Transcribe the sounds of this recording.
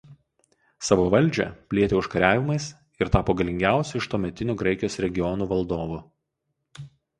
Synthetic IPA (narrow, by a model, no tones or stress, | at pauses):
sɑːʋoːʋɐlʲˑd͡ʒʲɛ̰pʲlʲiɛt̪ʲeʊʃkɐɾʲæːʋʲɪmɐɪs | ɪɾt̪ɑːpoːɡɐlʲɪŋʲɡʲæˑʊsʲɛɪʃt̪oːmʲɛt̪ʲɪnʲuːɡɾɐɪkʲɪjoːsɾʲɛɡʲɪɔnuːʋɐlˠd̪oːʋu